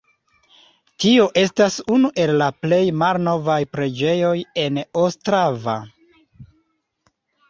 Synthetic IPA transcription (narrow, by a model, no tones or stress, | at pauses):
tio̞ʔe̞stasunuʔe̞lːaple̞jmalno̞vajpɾe̞d͡ʒe̞jo̞je̞nostɾava̰